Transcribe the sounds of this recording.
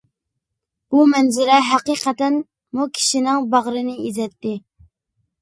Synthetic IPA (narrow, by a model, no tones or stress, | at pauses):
b̥umɛnzɪɾɛɦæqiqət̪ɛn | mukʲʰi̥ʃinɪŋbɑʁɾɨnɨizɛt̪ːɪ